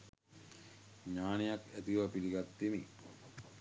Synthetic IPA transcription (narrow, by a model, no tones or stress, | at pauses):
ɲaːnejakæt̪iʋɐpiɾiɡat̪ːimi